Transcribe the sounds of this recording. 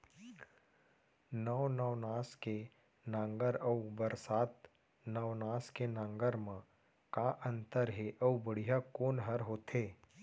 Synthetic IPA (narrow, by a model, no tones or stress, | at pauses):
nəːnəʋnaːske | nãːŋɡəɾəubəɾsaːt̪ | nəʋnaːskenãːŋɡəɾmã | kaʔə̃nt̪əɾɦeʔəubəɽ̤ijakoːnɦəɾɦoːt̪ʰeː